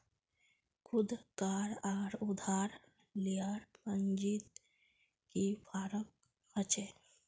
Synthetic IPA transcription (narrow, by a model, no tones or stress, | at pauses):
kʰʊd̪kaːɾaːɾʊd̪ʱaːɾ | liaːɾpəɲd͡ʒit̪ | kipaːɾək̚ | hət͡ʃe